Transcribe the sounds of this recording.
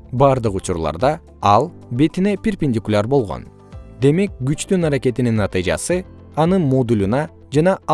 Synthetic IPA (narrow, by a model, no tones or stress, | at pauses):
bɑːɾd̪ɯqut͡ʃuɾlˠɑ̰ɾd̪ɑ | ɑlˠ | be̞t̪ine̞pʲerpʲenʲd̪ʲikulʲaɾbo̞lˠʁo̞̰n | d̪e̞me̞k̚ɡyt͡ʃt̪ynɑɾake̞t̪ininːɑt̪ɨjd͡ʒɑ̰sɯ | ɑnɯnmo̞d̪ulʲunɑ | d͡ʒɑnɑ